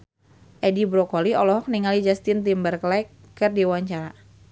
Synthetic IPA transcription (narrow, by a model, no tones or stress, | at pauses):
ʔɛdibɾɔkɔliɔlɔɦɔk̚niŋalid͡ʒast̪int̪imbərklakː | ɨrdiwaɲt͡ʃaɾa